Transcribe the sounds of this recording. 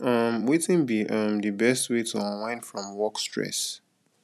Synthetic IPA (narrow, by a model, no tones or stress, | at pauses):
ʌmwetɪ̃nbiʔʌmðɨbɛstwetʰəawãɪ̃nfɹɔ̃mwɔkstɹɛ̰s